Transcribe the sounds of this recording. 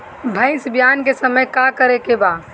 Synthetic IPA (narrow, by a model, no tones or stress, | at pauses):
bʱə̃ɪ̃sbjankesəməjkakəɾekeba